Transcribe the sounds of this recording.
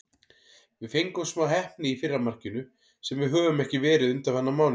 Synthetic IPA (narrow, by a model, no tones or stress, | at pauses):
vɪðfejŋkʏmsmaɦɛhpnɪifɪrːamar̥cɪnʏ | sɛmvɪðɦœːvʏmɛhcɪvɛːɾɪðʏnt̪avhanːamaːwn